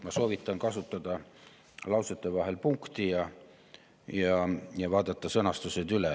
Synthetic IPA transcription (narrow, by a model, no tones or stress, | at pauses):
mɑsoʋit̪ːɑŋkɑsut̪ːɑd̪ɑ | lɑuset̪ːeʋɑhelpuŋkt̪ijɑ | jɑjɑʋɑːd̪ɑt̪ːɑsenɑst̪used̪ylæ